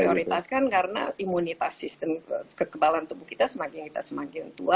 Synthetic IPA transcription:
ioɾit̪askankaɾəna̰imunit̪asːist̪əmkəkəbalant̪ubukit̪asəmakɪŋkit̪a̰səmakɪŋt̪ṵa

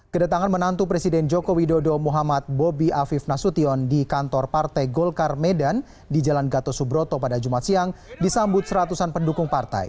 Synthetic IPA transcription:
kədat̪aŋanmənant̪upɾesidɛnd͡ʒɔkowidodɔmuɦamat̪̚bobiʔafifnasut̪iɔndikant̪ɔrpart̪ajɡɔlkarmɛdan | did͡ʒalanɡat̪ɔsubɾɔt̪ɔpadad͡ʒumat̪siaŋdisambʊt̪̚səɾat̪usanpəndukuŋpart̪a̰j

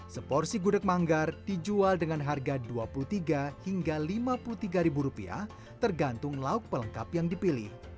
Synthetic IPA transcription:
səpɔrsiɡudək̚maŋɡard̥id͡ʒualdəŋanɦarɡaduapuluht̪iɡahiŋɡalimapulut̪iɡaɾibuɾupḭa̰ | t̪ərɡant̪ʊŋlaʊk̚pələŋkapjaŋdipilɪ̰h

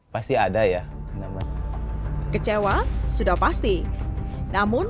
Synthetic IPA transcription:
past̪iadaja | naman | kət͡ʃewasudahpast̪i | namʊn

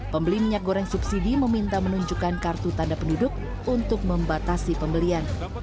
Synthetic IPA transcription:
pəmbəlimiɲak̚ɡoɾaŋsubsidiməmint̪amənuɲd͡ʒukankart̪ut̪andapəndudʊk̚ | unt̪ʊk̚məmbat̪asipəmbəlian

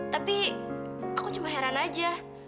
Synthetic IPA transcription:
t̪api | akut͡ʃumaɦeɾanad͡ʒa

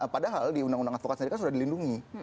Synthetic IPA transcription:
əpadaɦaldiundaŋundaŋat̪fokat̪nəɾikas̬udahdilinduŋi

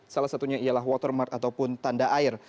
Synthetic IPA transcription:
salahsat̪uɲaialaɦwɔt̪ərmart̪at̪awpʊnt̪andaʔaɪr

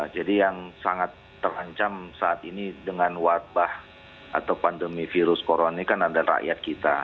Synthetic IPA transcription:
d͡ʒadijaŋsaŋat̪ːəɾaɲt͡ʃamsaʔat̪inidəŋanwat̪̚bah | a̰t̪awpandəmifiɾʊskoɾonanikanadara̰ʔjat̪̚kit̪a̰

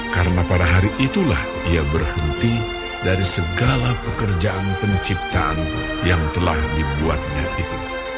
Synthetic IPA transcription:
kaɾənapadaɦaɾiʔit̪ulah | iabərhənt̪i | daɾisəɡalapəkərd͡ʒaʔanpəɲt͡ʃip̚t̪aʔa̰n | jaŋt̪əlahdibua̰t̪̚ɲaʔit̪u

